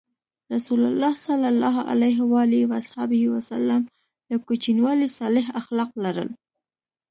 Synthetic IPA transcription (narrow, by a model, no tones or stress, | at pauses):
ɾasulalːɑhsalalːɑɦʔa̰lajɦwɑliwashɑbɪhiwasalːam | ləkut͡ʃinwɑlisɑlɪɦaxlɑqlaɾə̰l